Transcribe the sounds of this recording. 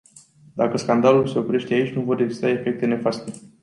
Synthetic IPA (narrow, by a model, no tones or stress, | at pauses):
d̪akəskand̪alulse̞o̞pɾe̞ʃt̪e̞ait͡ʃʲnuvo̞reɡzist̪ae̞fe̞k̚t̪e̞ne̞fast̪e̞